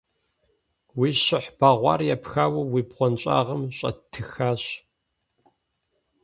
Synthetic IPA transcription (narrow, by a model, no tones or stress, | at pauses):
wiːɕɪħb̥aːʁʷɑ̰ːrjɛpxaːwɐwiːbʁʷɔnt͡ʃʼa̰ːʁəmɕʼɐ̰tʰɨxaːɕ